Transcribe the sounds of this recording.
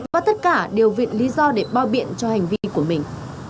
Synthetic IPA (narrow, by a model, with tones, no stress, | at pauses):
vvaː˨˩t̪ə˦˥t̚kaː˧˩ɗe˨˩əwvḭ˧˨nli˨˦zɔ˧ɗe˧˩ɓaː˧wɓḭ˧˨ənt͡ɕɔ˧ha˨˩jŋ̟vi˧ku˧˩əmï˨˩ŋ̟